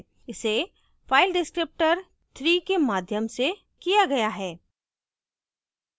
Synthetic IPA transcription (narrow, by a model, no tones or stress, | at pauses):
ɪse | faːɪlɖɪskɾɪp̚ʈəɾ | t̪ʰɾiːkemaːd̪ʱjəmse | kijaɡɐjaɦɛː